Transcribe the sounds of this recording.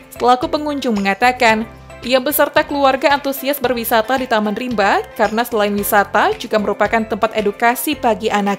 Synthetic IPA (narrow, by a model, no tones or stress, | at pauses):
səlakupəŋuɲd͡ʒʊŋməŋat̪akan | ʔijabəsərt̪akəluarɡaːnt̪usiasbərwisat̪adit̪amanrimbakarənasəlaɪnwisat̪ad͡ʒuɡaməɾupakant̪əmpat̪edukasibaɡiʔanak̚